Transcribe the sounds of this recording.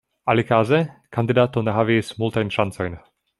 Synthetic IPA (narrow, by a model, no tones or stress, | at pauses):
ʔalɪkaːzɛkand̪ɪd̪aːt̪onaɦavismult̪ajnʃant͡sɔjn